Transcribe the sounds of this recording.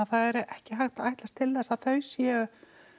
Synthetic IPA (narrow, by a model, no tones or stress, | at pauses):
aθaðɛɾɛhcɪɦaxt̪ajht̪laɾ̥t̪ʰɪlθɛsːaðθœɥsjɛʏ